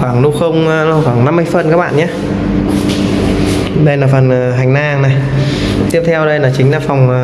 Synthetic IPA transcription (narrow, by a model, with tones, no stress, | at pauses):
xwaː˧˩ŋlu˧xə˧wŋ͡mlxwaː˧˩ŋna˧mːɨ˧jfə˨˩nkaː˦˥k̚ɓa̰ː˧˨nɲaː˧˩ | ɗə˧jlaː˨˩fə˨˩nəː˨˩ɦa˨˩jŋ̟naː˧ŋna˨˩j | t̪i˦˥əp̚t̪ʰɛ˧wɗə˧jlaː˨˩t͡ɕï˨˦ŋ̟laː˨˩fa˨˩wŋ͡m